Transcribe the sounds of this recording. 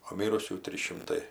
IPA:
oː ˈmʲiːrʊsʲuː ˈtʲrʲiːs ʃʲɪmˈtɐɪ

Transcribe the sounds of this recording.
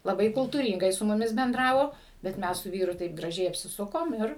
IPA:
lˠɐˈbɐɪ kʊlˠtuːrʲiːŋɡɐɪ sʊ mʊˈmʲɪs bʲɛnˈdrɑːʋoː bʲɛt ˈmʲɛs sʊ ˈʋʲiːrʊ tɐɪp ɡrɐˈʒʲɛɪ ɐpʲsʲɪˈsʊkoːm ˈɪr

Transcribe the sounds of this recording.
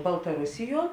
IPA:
bɐlˠtɐˈrʊsʲɪˌjuɔ

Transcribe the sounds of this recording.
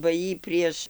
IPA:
bɐ ˈjiː ˈpʲrʲiɛʃ

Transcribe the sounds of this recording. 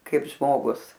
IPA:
ˈkɐɪp ˈʒmoːɡʊs

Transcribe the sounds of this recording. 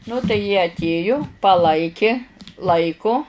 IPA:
ˈnʊ tɐɪ jiɛ ɐtʲˈeːjʊ pɐˈlˠɐɪkʲɪ ˈlˠɐɪkʊ

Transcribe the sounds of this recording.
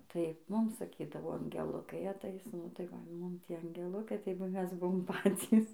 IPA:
tɐɪ ˈmʊm sɐˈkʲiːdɐʋoː ɐŋʲɡʲɛˈlˠʊkɐɪ ɐˈtɐɪs nʊ tɐɪ ˈʋɐ ˈmʊm ˈtʲiɛ ɐŋʲɡʲɛˈlˠʊkɐɪ tɐɪ ˈmʲɛs ˈbʊʋoːm ˈpɑːt͡sʲiːs

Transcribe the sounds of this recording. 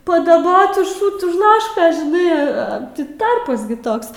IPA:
pɐdɐˈboːt ʊʃ ˈʃʊt ʊʃ ˈlˠɑːʃkoːs ʒʲɪˈnɐɪ ˈɐ tʲɪ ˈtɐrpɐs ɡʲɪ ˈtoːks

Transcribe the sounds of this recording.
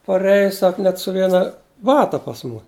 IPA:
pɐˈrʲæːjɛ ˈsɐk nʲɛt sʊ ˈʋʲiɛnɐ ˈbɑːtɐ pɐs ˈmʊ

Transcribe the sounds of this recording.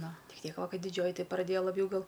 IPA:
ˈnʊ ˈtʲɪk ˈtʲiɛk ˈʋɐ ˈkɐɪ dʲɪˈd͡ʒʲoːjɪ ˈtɐɪ prɐˈdʲeːjɛ lˠɐˈbʲjɛʊ ˈɡɐlˠ

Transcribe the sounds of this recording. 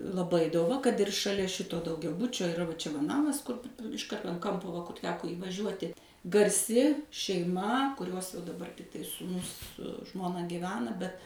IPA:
lˠɐˈbɐɪ doːˈʋɐ kɐt ɪr ʃɐˈlʲɛ ˈʃʲɪtoː dɐʊɡʲɛˈbʊt͡ʃʲoː ɪˈrɐ ʋɐ ˈt͡ʃʲɛ ʋɐ ˈnɑːmɐs ˈkʊr ɪʃ ˈkɐrtoː ɐn ˈkɐmpoː ʋɐ kʊr ˈtʲæːkoː iːʋɐˈʒʲuɔtʲɪ ɡɐrʲˈsʲɪ ʃʲɛɪˈmɐ kʊˈrʲuɔs jɛʊ dɐˈbɐr tɐɪ suːˈnʊs sʊ ˈʒmoːnɐ ɡʲiːˈʋʲæːnɐ bʲɛt

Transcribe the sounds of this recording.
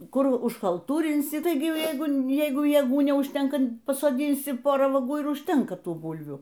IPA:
ˈkʊr ʊʃkɐlˠˈtuːrʲɪnʲsʲɪ ˈtɐɪɡʲɪ ˈjɛɪɡʊ ˈjɛɪɡʊ jeːˈɡuː nʲɛʊʃʲˈtʲɛŋkɐ pɐsoːˈdʲɪnʲsʲɪ ˈpoːrɑː ʋɐˈɡuː ɪr ʊʃʲˈtʲɛŋkɐ ˈtuː ˈbʊlʲʋʲuː

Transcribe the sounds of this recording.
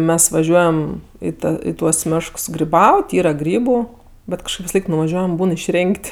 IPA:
ˈmʲɛs ʋɐˈʒʲuɔjɛm ˈiː ɪ ˈtuɔs ˈmʲeːʃks ɡrʲɪˈbɐʊtʲ ˈiːrɐ ˈɡrʲiːbʊ ˈbʲɛt kɐʃˈkɐɪp ʋʲɪsɐˈlˠɐɪk nʊʋɐˈʒʲuɔjɛm ˈbuːn ɪʃʲˈrʲeːŋʲkʲtʲ

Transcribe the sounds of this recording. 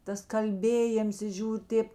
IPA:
ˈtɐs ˈkɐlʲbʲeːjeːms ɪ ˈʒʲuːrʲ ˈtʲeːp

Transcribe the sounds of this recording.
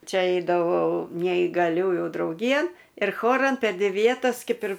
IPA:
ˈt͡ʃʲɛ ˈɛɪdɐʋɐʊ nʲɛiːɡɐˈlʲuːjuː drɐʊˈɡʲiːjɛn ɪr ˈxoːrɐn pʲɛr ˈdʲʋʲɪ ˈʋʲiɛtɐs ˈkʲɛp ɪr

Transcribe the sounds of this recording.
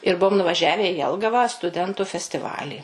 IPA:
ɪr ˈbuɔm nʊʋɐˈʒʲæːʋʲɛ ɪ ˈjɛlˠɡɐʋɐ stʊˈdʲɛntʊ fʲɛsʲtʲɪˈʋɑːlʲiː

